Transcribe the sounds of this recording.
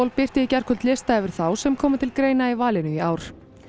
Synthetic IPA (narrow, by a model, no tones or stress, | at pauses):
lpɪr̥t̪ɪicɛr̥kʰʏlt̪lɪst̪aɛvɪɾ̥θawsɛmkʰɔːmɪt̪ʰɪlkɾeːjnaivaːlɪnʏiaːwɾ̥